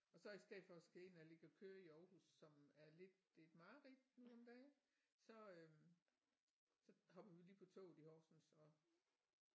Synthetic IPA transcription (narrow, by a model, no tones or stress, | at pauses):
ɒ̽sɒ̽isd̥ɛð̰ˠd̥fɒ̽sɡ̥æe̝nɒle̝ɡ̥əɒ̽kʰøːɐiɒːhusːɒ̽mæɐle̝d̥e̝d̥mɑ̈ːʁid̥nuɒ̽md̥ɛː | sɒ̽ø | sɒ̽hɒ̽b̥ɐʋiliːpʰɒ̽t͡sʰo̰ːihɒːsn̩sɒ̽